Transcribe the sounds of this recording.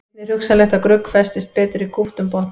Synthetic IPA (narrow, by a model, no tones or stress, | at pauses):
nɛrhʏksalɛht̪akɾʏkːfɛst̪ɪst̪̚peːt̪ʏɾikʰuft̪ʏmpɔht̪